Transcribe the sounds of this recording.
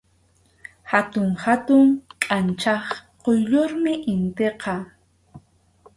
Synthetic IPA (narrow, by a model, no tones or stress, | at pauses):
hat̪ʊŋhat̪ʊŋkʼant͡ʃɑχqojʎoɾmɪʔɪnt̪eqɑ